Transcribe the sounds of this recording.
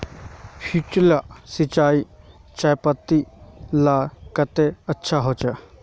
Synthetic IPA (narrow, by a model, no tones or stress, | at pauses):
pʰit͡ʃlasɪt͡ʃaːi | t͡ʃajpət̪ːilaːkət̪eətːʃʰaɦot͡ʃə